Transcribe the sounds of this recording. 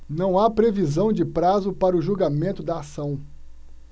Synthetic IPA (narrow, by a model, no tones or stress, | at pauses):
nɐ̃w̃apɾevizɐ̃w̃d͡ʒɪpɾazʊpaɾɐʊʒuɡamẽnt̪ʊd̪ɐasɐ̃w̃